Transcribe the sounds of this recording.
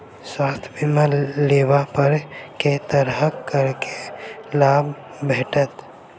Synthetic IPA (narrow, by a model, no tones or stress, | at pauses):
swaːst̪ʰjbɪmaleːwapəɾket̪əɾɦəkkːəɾkelaːb | bʱeːʈət̪